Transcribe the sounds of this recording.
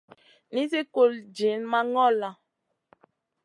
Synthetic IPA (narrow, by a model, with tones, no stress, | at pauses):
ni˦se˦ko˦˨ld͡ʒe˨˦nma˦ŋɔ˦la˨